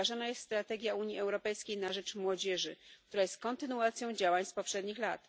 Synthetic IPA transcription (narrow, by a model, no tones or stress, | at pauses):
aʐanajɛst̪st̪ɾat̪ɛɡʲjauɲjiɛwɾɔpɛjskʲejnaʐɛt͡ʂmwɔd͡ʑɛʐɘkt̪uɾajɛst̪̚kɔnt̪ɘnuat̪sʲjɔ̃w̃d͡ʑawaɲspɔpʂɛd̪ɲixlat̪